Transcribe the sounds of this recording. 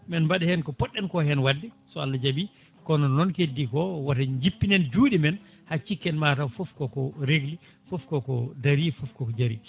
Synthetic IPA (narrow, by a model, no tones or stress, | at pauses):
mɛnbaɗɛhɛnkɔpɔɗːɛnkɔhɛnwadːisɔalːad͡ʒabi | kɔnɔnːɔnkedːikɔwatad͡ʒipːinɛnd͡ʒuːɗimɛn | hat͡ʃːikːɛnmatawfɔfkɔkɔɾeɡli | fɔfkɔkɔdaɾifɔfkɔkɔd͡ʒaɾi